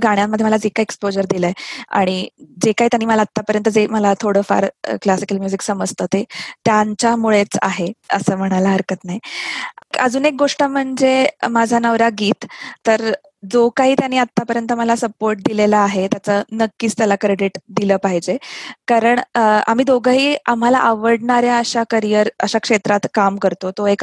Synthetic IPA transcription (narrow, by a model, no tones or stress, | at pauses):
ɡaɽ̃jamːəd̪ʱːjeməlad͡zekaekspod͡ʑəɾd̪iləea̰ɽ̃id͡zekaɦit̪janːiːməlaːt̪ːapəɾjənt̪əd͡zeməlat̪ʰoɽəːfa̰ɾ̰klasi̥kəlmjud͡ziksəməd͡zʱt̪əːt̪eʈ̪jant͡ɕamuɭet͡sa̰ɦeə̰səːm̤əɽ̃alaəɾkət̪najkəd͡zuːnek̚ɡoʂʈəm̤əɳd͡zemad͡zʱanəʋɾaɡiːt̪ːəɾ | d͡zokaɦiːt̪janiːat̪ːapəɾjənt̪əməlasəpoɾʈ̚d̪ilelaːɦet̪jat͡sənəkːiːt͡st̪jalakɾeɽiʈd̪iləːpaɦid͡ʑekaɾəɳa̰m̤iːd̪oɡaɦiːam̤ala̰ʔaʋəɽɳaɾjaəɕakəɾijəɾəɕakʂet̪ɾat̪kamkəɾt̪ot̪oek